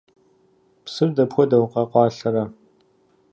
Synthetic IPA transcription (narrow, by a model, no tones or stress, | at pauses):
psɨrdɐpxʷɔdɐwqɑqʷɑːɬɐɾɐ